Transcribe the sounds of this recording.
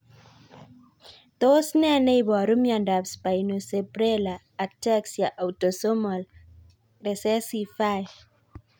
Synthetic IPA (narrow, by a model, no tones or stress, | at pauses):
d̪osnɛneibɔɾumjandapspainosepɾelaːtɛksjaʔawtosomal | ɾɛsɛsifaj